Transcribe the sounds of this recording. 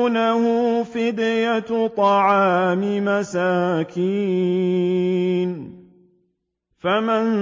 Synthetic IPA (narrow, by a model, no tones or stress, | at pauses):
nahʊfɪd̪jat̪ˤɑʕaːmɪmasaːkʰiː | n | faman